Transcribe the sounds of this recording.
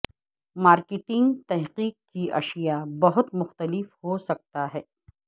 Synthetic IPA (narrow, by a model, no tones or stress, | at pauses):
maːɾkɪʈɪ̃ŋɡt̪ɛɦqiːk̚kiʔɐ̰ʃijabɐɦʊt̪mʊxt̪əlɪfhosɐk̚t̪aɦɛː